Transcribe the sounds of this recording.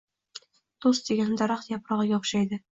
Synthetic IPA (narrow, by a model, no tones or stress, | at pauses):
d̪̥osd̪eɡʲand̪ɒɾɑχt̪jɒpɾɒʁɤɡʲaʊχʃajd̪ɪ